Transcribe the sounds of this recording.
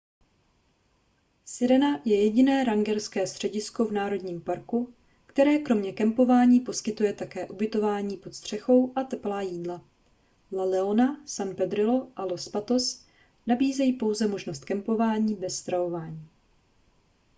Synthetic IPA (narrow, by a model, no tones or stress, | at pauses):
sɪɾɛnajɛjɛɟɪnɛːɾaŋɡɛɾskɛːst̪r̥ɛɟɪsko̞vnaːɾo̞dɲiːmpaɾku | kt̪ɛɾɛːkɾo̞mɲɛkɛmpo̞vaːɲiːpo̞skɪt̪ujɛt̪akɛːʔubɪt̪o̞vaːɲiːpot̪st̪r̝̥ɛxo̞wʔat̪ɛplaːjiːdla | lalɛonasanpɛd̪ɾɪlo̞ʔalo̞spat̪o̞s | nabiːzɛjipo̞wzɛmo̞ʒnost̪kɛmpo̞vaːɲiːbɛsːt̪ɾavo̞vaːɲiː